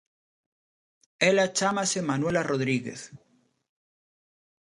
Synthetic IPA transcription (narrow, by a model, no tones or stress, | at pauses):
elat͡ʃamasemanwe̞laroðɾiɣḛθ